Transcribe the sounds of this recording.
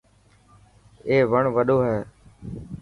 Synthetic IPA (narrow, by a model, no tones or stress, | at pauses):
eːʋəɳʋəɗoːɦɛː